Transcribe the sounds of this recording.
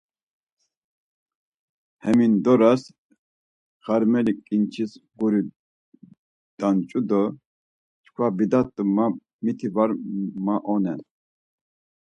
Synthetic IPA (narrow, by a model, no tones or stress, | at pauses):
hɛmind̪ɔɾas | χaɾmɛlikʼint͡ʃʰisɡuɾi | d̪̥ant͡ʃʼud̪ɔ | t͡ʃʰkʰwabid̪at̪ʼuma | mit̪ʰivaɾmaʔɔnɛn